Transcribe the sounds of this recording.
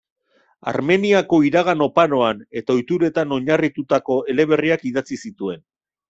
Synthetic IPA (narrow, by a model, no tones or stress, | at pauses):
a̰ɾme̞niako̞iɾaɣano̞pano̞ane̞t̪ao̞jt̪uɾe̞t̪ano̞ɲarit̪ut̪ako̞e̞le̞β̞e̞riakiðat͡sisit̪ue̞n